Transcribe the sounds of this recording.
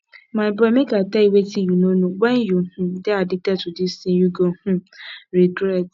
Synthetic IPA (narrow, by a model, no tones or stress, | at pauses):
mãbɾɔmɪ̃ɡataiwetijunonũɡ͡bɛnjohũdeadɪtɛtʊdisĩnjuɡohũɾidɛt